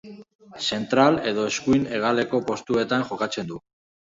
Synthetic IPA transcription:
se̞nt̪ɾale̞ðo̞eskuine̞ɣ̞ale̞ko̞po̞st̪ue̞t̪anʝo̞kat͡se̞nd̪u

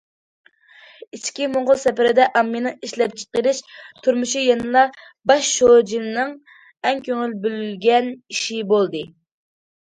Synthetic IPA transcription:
it͡ʃkʲimoɴʁʊlˠsɛpɪɾɪd̪ɛʔɑmːinɨŋiʃlɛp̚t͡ʃʰə̥qəɾɪʃt̪ʰuɾmuʃijenɨlˠɑ | bɑʃːod͡ʒinnɨŋ | ɛŋkʲʰøŋylbylylɡʲɛniʃibolˠd̪ɨ

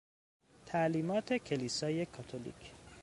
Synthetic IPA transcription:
t̪ʰæʔliːmɒːt̪ʰe̞cʰe̞liːsɒːje̞kʰɒt̪ʰolḭːcʰ

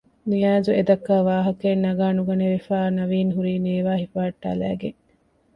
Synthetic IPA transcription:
nijaːd͡ʒued̪ɐkːaːʋaːɦɐkenːɐɡaːnuɡɐneʋefaːnɐʋiːnɦuɾiːneːʋaːhifaɐʈːa̰læ̰ːɡeŋ

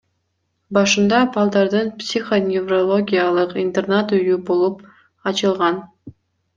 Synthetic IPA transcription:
bɑʃɯnd̪ɑbɑlˠd̪ɑɾd̪ɯnpsʲiχonʲɪvrolˠo̞ɡʲijalˠɯqint̪ernat̪yjybolˠup | ɑt͡ʃɯlˠʁɑn

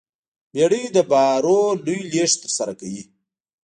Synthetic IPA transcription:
beɽid̪əbɑɾolujleʂt̪əɾsaɾakawi

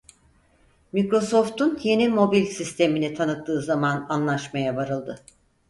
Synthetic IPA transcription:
mikɾo̞so̞ft̪ʰunje̞nimo̞bilʲsist̪ʰe̞minit̪ʰanɯt̪̚ːɯːzamananlˠaʃmajabaɾɯlˠd̪ɯ

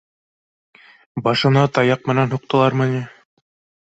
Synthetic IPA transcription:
bɑʃɤ̆nɤt̪ɑjɑq̚mɘ̆nænɦuq̚t̪ɤ̆lˠɑɾmɤ̆nʲi

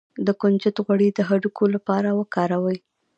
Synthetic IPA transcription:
d̪əkʊnd͡ʒɪt̪ɣwaɽid̪əɦaɖukʰolapɑɾawəkɑɾawəj

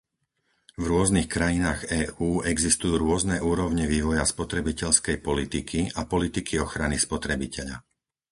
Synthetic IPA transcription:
vɾʊɔznixkɾajinaːɣɛːuːʔɛɡzist̪ujuːɾʊɔznɛʔuːɾɔʊɲɛʋiːʋɔjaspɔt̪ɾɛbicɛʎskɛjpɔlit̪ikʰiapɔlit̪ikʰiɔxɾanispɔt̪ɾɛbicʰɛʎa̰

